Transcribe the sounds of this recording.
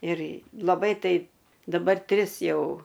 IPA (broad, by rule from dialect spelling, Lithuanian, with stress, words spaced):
ɪr lˠɐˈbɐɪ ˈtɐɪp dɐˈbɐr ˈtʲrʲɪs ˈjɛʊ